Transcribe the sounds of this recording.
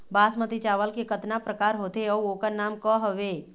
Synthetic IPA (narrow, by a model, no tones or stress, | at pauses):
baːsmət̪it͡ʃaːʋəlkekət̪napɾəkaːɾɦoːt̪eɔːoːkəɾnaːmkɔɦəʋeː